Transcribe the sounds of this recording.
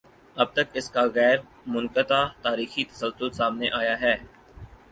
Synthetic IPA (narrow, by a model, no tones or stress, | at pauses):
ɐb̚t̪ɐkɪskaːɣɛːɾ | mʊnkət̪aːt̪aːɾiːxit̪ɐ̥səlsʊlsaːmneʔaːjaɦɛː